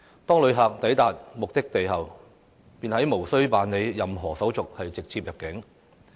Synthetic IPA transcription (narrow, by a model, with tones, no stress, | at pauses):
t̪ɔː˥ŋlɵ˨˧ɥɦaː˨k̚t̪ɐ˨˥jt̪aː˨t̚mʊ˨k̚t̪ɪ˥k̚t̪e˨jɦɐ˨w | piː˨nhɐ˨˥jmo˨˩wsɵ˥ɥpaː˨nle˨˧jjɐ˨mɦɔː˨˩sɐ˨˥wt͡sʊ˨k̚hɐ˨jt͡sɪ˨k̚t͡sʰiː˧p̚jɐ˨p̚kɪ˨˥ŋ